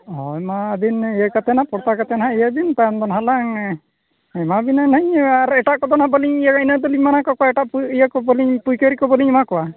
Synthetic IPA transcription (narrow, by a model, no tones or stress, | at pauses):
ɔjmad̪inijəkat̪ɛnapɔɽt̪akat̪ɛnɦaijəd̪int̪and̪ɔnɦalaŋ | ɛmabinanɛɲaɾɛʈaʔkɔd̪ɔnhabɔliɲijəkinəd̪ɔliɲmanakɔkɔwaɛʈaʔijəkɔbɔliɲpujkəɾikɔbɔliɲmakɔwa